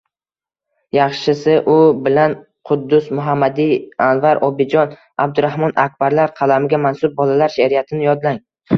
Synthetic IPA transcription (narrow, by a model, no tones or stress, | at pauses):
jɑχʃɪsɪʔʊbɪlan | qʰʊd̪ːʊsmʊɦamːad̪ɪanvaɾʔɒbɪd͡ʒɒn | ab̚d̪ʊɾahmɒnak̚ʲbaɾlaɾqʰɑlamɪɡʲamansʊb̚bɒlalaɾʃaɾijat̪ʰɪnɪjɒd̪laŋ